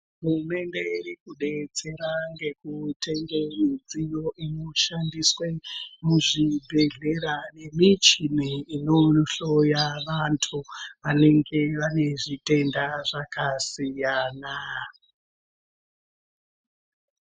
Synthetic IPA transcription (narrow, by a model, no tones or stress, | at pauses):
ɦuume̞nde̞irikuɗe̞t͡se̞ɾaŋɡe̞kute̞ŋɡemid͡zijo̞ʔino̞ʃandiswe̞muʐibʱe̞ɮe̞ɾane̞mit͡ʃiniinoɬo̞jaʋantʰuʋane̞ŋɡe̞ʋane̞ʐite̞ndaʐakasijaːna